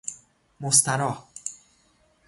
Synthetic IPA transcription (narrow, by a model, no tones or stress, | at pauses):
most̪ʰænɒːh